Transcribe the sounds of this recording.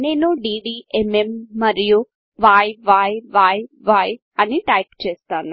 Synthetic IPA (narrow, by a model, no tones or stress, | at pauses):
neːnuɖiːɖiːememːɐɾiju | ʋaːjʋaːjʋaːjʋaːj | ɐniʈɐjpt͡ʃeːst̪aːn